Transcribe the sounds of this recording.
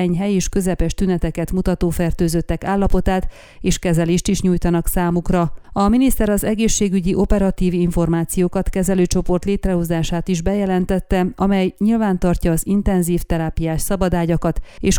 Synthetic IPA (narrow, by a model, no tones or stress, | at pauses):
ɛɲɦɛjeːʃkø̞zɛpɛʃt̪ynɛt̪ɛkɛt̪mut̪ɒt̪oːfɛrt̪øːzøt̪ːɛkaːlːɒpo̞t̪aːt̪ | eːʃkɛzɛleːʃt̪iʃɲuːjt̪ɒnɒksaːmukrɒɒminist̪ɛɾɒzɛɡeːʃːeːɡyɟiʔo̞pɛɾɒt̪iːviɱfo̞rmaːt̪sijoːkɒt̪kɛzɛløːt͡ʃo̞po̞rt̪leːt̪rɛɦozaːʃaːt̪iʒbɛjɛlɛnt̪ɛt̪ːɛʔɒmɛjɲilvaːnt̪ɒrcɒːzint̪ɛnziːft̪ɛɾaːpijaːʃsɒbɒd̪aːɟɒkɒt̪eːʃ